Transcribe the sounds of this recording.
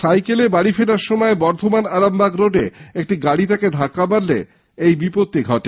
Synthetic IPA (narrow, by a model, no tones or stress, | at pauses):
sajkelebaɽifeɖaɾʃɔmɔebɔɾt̪ʰomanaɾambaɡɾoɖeek̚ʈiɡaɽit̪aked̪ʱakːabaɾle | ejbipot̪ːiɡʱɔʈe